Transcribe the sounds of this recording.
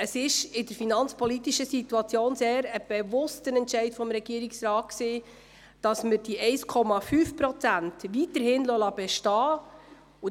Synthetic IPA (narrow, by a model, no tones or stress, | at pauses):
əsɪʃɪdəɾfinɑnt͡spɔlitiʃəsituɑt͡sjoːnseːɾəb̥ɛvʊstənɛntʃɛɪtfɔmɾɛɡ̥iːəɾiksɾɑːt̚kseː | d̥ɑsməɾd̥iʔɛɪskʰɔmɑfyːfpɾɔt͡sæntʋitəɾhɪnlɔlɑb̥ɛʃtɑː | u